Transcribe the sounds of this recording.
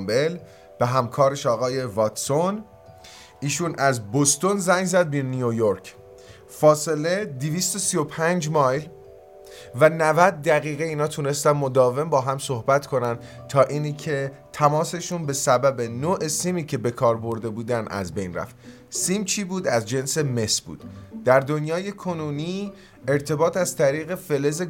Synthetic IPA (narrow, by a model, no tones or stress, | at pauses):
mbel | b̥e̞ɦæmkʰɒːɾe̞ʃɒːɣɒːje̞vɒt̪son | iːʃuːnʔæzbost̪o̞nzæŋzæd̪̚binijojoɾkʰ | fɒːse̞le̞d̪iviːst̪osijo̞pʰænd͡ʒmɒːjl | vænævæd̪̚ːæɣiːɣeiːnɒːt̪ʰune̞st̪ænmo̞d̪ɒːve̞mbɒːɦæmsohbæt̪kʰo̞nænd̪ | t̪ʰɒːʔiːnicʰe̞t̪ʰæmɒːse̞ʃunbe̞sæbæbe̞noːʔe̞siːmiːcʰe̞be̞kʰɒːɾbo̞ɾd̪e̞buːd̪ænæ̰zbe̞jnræ̰ft̪ | siːmt͡ʃʰiːbuːd̪æzd͡ʒe̞nseme̞sbṵːd̪̥d̪̥æɾd̪o̞njɒːje̞kʰo̞nuːniː | e̞ɾt̪ʰe̞bɒːt̪ʰæz̥t̪ʰæɾiːɣe̞fe̞le̞ze